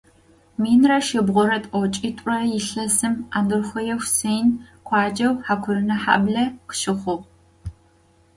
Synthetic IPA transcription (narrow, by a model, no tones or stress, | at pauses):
miːnrɐʃɪbʁʷʊɾɐtʼɔt͡ʃʼitʼrɐjɪɬɐzɨmaːndɨrxʷɐjɛwsejnkʷʰɑːd͡ʒɐwħaːkʷʰʊɾɨnɐħa̰ːbɮɐqʃɪχʷʊʁ